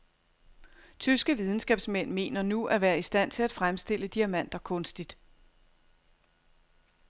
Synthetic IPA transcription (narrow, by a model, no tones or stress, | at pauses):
t͡sʰysɡ̥əʋið̞ˠn̩sɡ̥ɛb̥smen̰me̝̰ːnɐnuʔæʋæːɐisd̥æn̰t͡sʰe̝læd̥fʁamsd̥e̝l̰əd̥iæmæn̰d̥ɐkʰɔ̽nsd̥id̥